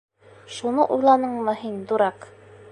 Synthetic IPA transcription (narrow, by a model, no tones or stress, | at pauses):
ʃunɤʔujlˠɑnɤɴmɤɦind̪uɾɑq